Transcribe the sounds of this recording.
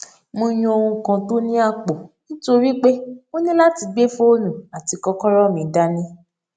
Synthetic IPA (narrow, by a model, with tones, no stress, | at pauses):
mõ˧j̃ũ˧o˧hũ˧kã˨˧to˦nĩ˦a˦˨k͡po˨ñ̩˦to˧ɾi˦k͡pe˦o˦nĩ˦la˦ti˧ɡ͡be˦fo˦o˦nũ˨a˨ti˨˧kɔ˧kɔ˦ɾɔ˦˨mĩ˨da˦nĩ˦